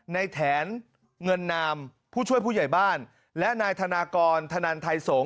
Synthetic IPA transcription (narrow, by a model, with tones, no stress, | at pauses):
na˧jt̪ʰɛː˩˦n | ŋɤ˧nːaː˧mpʰuː˥˩t͡ɕʰu˥˩əjpʰuː˥˩ja˨˩jbaː˥˩n | lɛ˦˥ʔnaː˧jt̪ʰa˧naː˧kɔː˧nt̪ʰa˧naː˧nt̪ʰa˧jso˩˦